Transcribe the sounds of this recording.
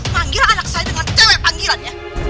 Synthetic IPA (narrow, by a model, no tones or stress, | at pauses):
maŋɡilanak̚sajdəŋant̪əɛpaŋɡilanɲa